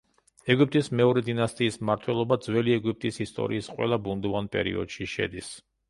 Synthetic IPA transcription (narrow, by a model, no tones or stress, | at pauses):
ɛɡip̚ʼt̪ʼismɛɔɾɛd̪inast̪ʼiːsmaɾt̪ʰwɛlˠɔbad̪zwɛliɛɡip̚ʼt̪ʼisist̪ʼɔ̰ɾiːsqʼwɛ̰lˠabund̪ɔvanpʼɛ̰ɾḭɔ̰d̪̥ʃiʃɛ̰d̪is